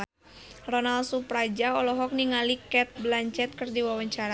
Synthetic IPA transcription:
rɔnalsupɾad͡ʒaɔlɔɦɔk̚niŋalikɛt̪̚blaɲt͡ʃɛt̪̚kɨrdiwawaɲt͡ʃaɾa

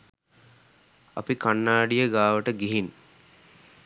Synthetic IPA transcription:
a̰pikanːaːɖijəɡaːʋəʈəɡiɦin

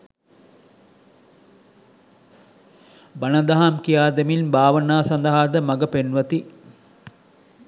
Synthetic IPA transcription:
bɐnəd̪aɦamkijaːd̪eminbaːʋənaːsɐnd̪əɦaːd̪əmɐɡəpenʋɐt̪i

